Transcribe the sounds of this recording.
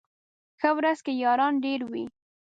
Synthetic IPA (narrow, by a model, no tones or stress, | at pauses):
xəwɾazkejɑɾɑnɖeɾwi